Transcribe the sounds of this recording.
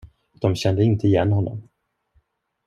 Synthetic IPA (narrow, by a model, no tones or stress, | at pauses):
d̪̥ɔmɕɛnd̪əɪnt̪əɪjɛnːhɔnːɔ̰m